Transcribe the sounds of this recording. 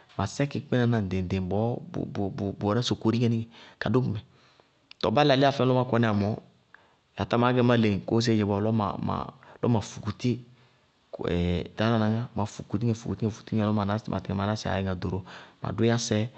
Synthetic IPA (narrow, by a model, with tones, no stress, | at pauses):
ma˨sɛ˦ki˨k͡pɛ˦na˨na˨n˨de˨n˨de˨bɔ̰˦˨ | bɔ˨nɛ˦so˨ko˨ɾi˦ŋɛ˦ni˦ŋɛ˨ka˨do˦ku˨mɛ˨ | tɔ̰˨ba˦la˨li˦a˦˨fɛ˦lɔ˦ma˦kɔ˦nɛ˦˨a˨mɔ˨˦˨ | ja˨ta˦ma˨˦ɡɛ˦ma˦le˨ŋ˨ko˦s̬e˦˨jɛ˨bɔ˨lɔ˦ma̰˨ma̰˨lɔ̰˦ma˨fu˨ku˨ti˦ | kɛ̰˨ta˨˦na˨na˨ŋa˦ma˨fu˨ku˨t̬i˦ŋɛ˨fu˨ku˨ti˦ŋɛ˨fu̥˨ti˦ŋɛ˨lɔ˦ma˨na˦mʔa̰˨ti˨ŋɛ˨ma˨a˦si˨a̰˨ɛ˨ŋa˨do˨ɾo˨ma̰˨du˦a˦sɛ˦